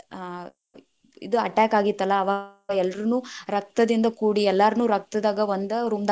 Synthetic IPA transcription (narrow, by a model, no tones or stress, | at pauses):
ḭd̪uɐʈaːkaːɡit̪ːɐlːɐːʋaːɐɛlːɐɾunuːɾɐk̚t̪ɐd̪ind̪ɐkuːɽiɛlːaɾɐnuːɾɐk̚t̪ɐd̪aːɡɐond̪ɐɾumd̪